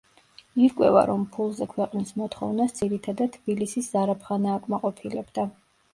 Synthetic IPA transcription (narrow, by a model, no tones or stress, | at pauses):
iɾkʼwɛ̰va̰ɾɔmpʰulˠzɛkʰwɛqʼnismɔt̪ʰχɔ̰vnasd̪ziɾit̪ʰad̪ad̪̚t̪ʰb̥ilisiszaɾapʰχanaːkʼmaqʼɔpʰilɛbd̪a